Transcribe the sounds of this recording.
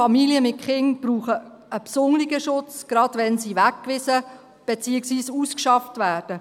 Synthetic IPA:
ɑmiliəmɪt̚χɪŋb̥ɾuːχə | əpsʊŋlɪɡəʃʊt͡sɡ̥ɾɑdʋɛnsiːʋækːʋɪsə | b̥et͡siːəksʋiːsuːskʃɑftʋæːɾd̥ə

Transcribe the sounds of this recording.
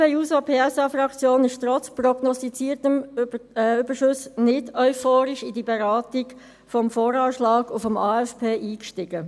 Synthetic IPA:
peuːsopʰeːɛsɑfɾɑkt͡sjoːnɪʃtɾɔt͡sprɔɡnɔst̪it͡siːɾtəm | yb̥əʃʊsnɪdɔʏfoːɾɪʃɪdibeɾɑːtɪɡ | fɔmfoːɾɑːʃlɑːɡʊfɔmɑːɛfpʰeːʔiːkʃtɪɡ̥ə

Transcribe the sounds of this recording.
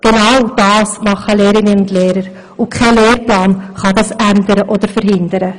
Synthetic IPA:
ɡ̥enawd̥ɑːsmɑχəleːɾɪnəʊndleːɾəɾ | ʊkʰɛɪleːɾplɑːnχɑdɑsændəɾəʔodəɾfəɾɦɪndəɾə

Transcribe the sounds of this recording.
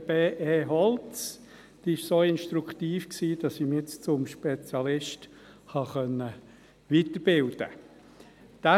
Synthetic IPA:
b̥eːʔeːɦɔlt͡s | d̪̥iːɪʃsoːɪnʃt̪ɾukʰtiːfksiːd̥ɑsimet͡st͡sʊmʃpet͡sjɑlɪʃt | hɑχœnə | ʋitəb̥ɪld̥ə̰ | d̥a

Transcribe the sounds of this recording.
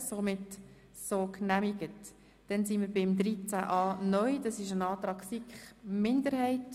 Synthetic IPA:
somɪt | soːknæmiɡət | d̥ɛnsinmiɾbɪmd̪ɾit͡sæʔɑːnœʏd̥ɑsɪʃənɑːtɾɑːɡsikχmɪndəɾhɛɪt

